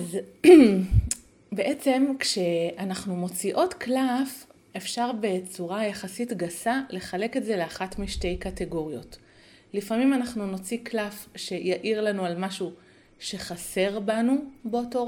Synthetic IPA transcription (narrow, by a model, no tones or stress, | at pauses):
az | be̞ʔe̞t͡se̞mkʃe̞anaχnumo̞t͡siʔo̞tklaf | e̞fʃaʁbe̞t͡suʁajaχasitɡasale̞χale̞ke̞tze̞leaχatmiʃte̞jkate̞ɡo̞ʁjo̞t | lifamimanaχnuno̞t͡siklafʃe̞jaʔiʁlanualmaʃu | ʃe̞χase̞ʁbanubeoto